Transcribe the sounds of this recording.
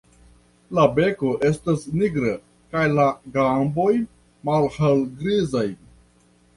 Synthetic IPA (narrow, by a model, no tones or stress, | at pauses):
labe̞ko̞ʔe̞stasniɡɾa | kajlaɡambo̞j | malhalɡɾizaj